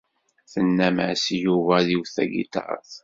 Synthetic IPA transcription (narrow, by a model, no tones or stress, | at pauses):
θənːæmasjuvæðiwθæɡḭt̪ɑ̰ɾˤθ